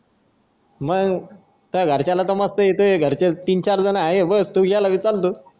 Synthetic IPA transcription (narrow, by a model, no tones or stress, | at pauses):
məɡ | t̪aɡʱəɾt͡ɕalat̪əməst̪əet̪ueɡʱəɾt͡ɕet̪iːnt͡ɕaɾd͡zənaaɦebəst̪uːɡʱalaʋit͡salt̪̬uː